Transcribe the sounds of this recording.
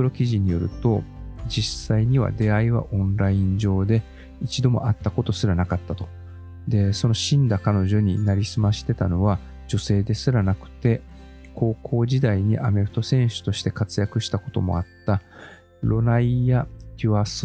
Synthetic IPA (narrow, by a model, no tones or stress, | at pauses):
ɯɾokʲiʑiɲ̟ijo̞ɾɯ̟̰t̪o̞d͡ʑisaiɲ̟iβa̰d̪e̞aiβa̰ʔõ̞nɾaĩɲ̟d͡ʑo̞ːd̪e̞ | it͡ɕid̪o̞mo̞̰ʔat̪ːako̞t̪o̞sɨɾanakat̪ːat̪o̞̥ | d̪e̞so̞no̞ɕĩnd̪akano̞ʑo̞ɲ̟inaɾʲisɨmaɕi̥t̪e̞t̪ano̞βa | d͡ʑo̞se̞ːd̪e̞sɨɾanakɯ̟̥t̪e̞kʰo̞ːkʰo̞ːʑid̪aiɲ̟iʔame̞ɾɯ̟t̪o̞sẽ̞ɰ̃ɕɨ̥t̪o̞ɕi̥t̪e̞kat͡sɨjakɯ̟ɕi̥t̪ako̞t̪o̞mo̞̰at̪ːa | ɾo̞naijakʲɯas